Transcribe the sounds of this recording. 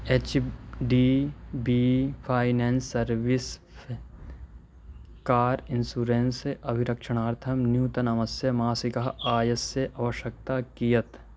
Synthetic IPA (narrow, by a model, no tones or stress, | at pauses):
eːt͡ʃɖiːbipʰaːɪneːnsːɐɾʋɪs | kaːɾɪnsuːɾeːnseʔɐbʱiɾɐkʃəɽ̃aːɾt̪ʰɐmnjuːt̪ɐnɐmɐsjɐmaːsikɐɦaːjəsːeʔɐʋəʃjək̚t̪aːkijət̪